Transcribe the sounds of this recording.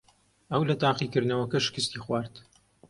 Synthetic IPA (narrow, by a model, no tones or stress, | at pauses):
ɐwlɐt̪aːqikɨɾd̪nɐwɐkɐʃɪ̥kɨst̪iːxwaːɾt̪